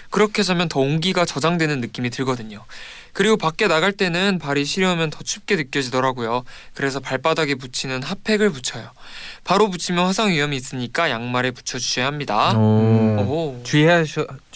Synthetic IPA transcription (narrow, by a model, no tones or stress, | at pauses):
kɯɾʌkʰe̞d͡ʑʰamjʌntʌoŋɡiɡat͡ɕʌd͡ʑaŋdwe̞nɯnːɯk͈imitɯɭɡʌdɯɲo | kɯɾiɡopak͈e̞naɡaɭt͈e̞nɯnpaɾiɕʰiɾjoɦamjʌntʌt͡ɕʰup̚k͈e̞nɯk͈jʌd͡ʑidʌɾaɡojokɯɾe̞sʰʌpaɭp͈adaɡe̞p̬ut͡ɕʰinɯnɦapʰe̞ɡɯɭput͡ɕʰʌjopaɾoput͡ɕʰimjʌnɸwasʰaŋɥiʌmiːs͈ɯɲik͈ajaŋmaɾe̞pu̥t͡ɕʰʌd͡ʑuɕʰeɦamɲida | ot͡ɕ